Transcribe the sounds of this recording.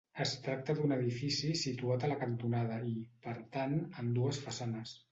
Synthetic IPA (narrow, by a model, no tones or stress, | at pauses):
əst̪ɾak̚t̪əðunəðifisisit̪uat̪ələkənt̪unað̞əipəɾt̪anənd̪uəsfəsanəs